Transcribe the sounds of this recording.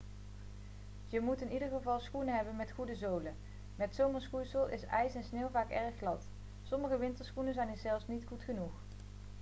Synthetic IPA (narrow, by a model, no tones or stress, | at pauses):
jəmutɪnidəɹχəvɑlˠsχunəɦɛbənmɛtχudəzowlə | mɛtsowməsχusəlˠʔɪsɛjsɛnsneːwvaːkɛɹχlɑt | sɔməχəʋɪntəɹsχunənzɛjnəzɛlˠfsnitχutχənuχ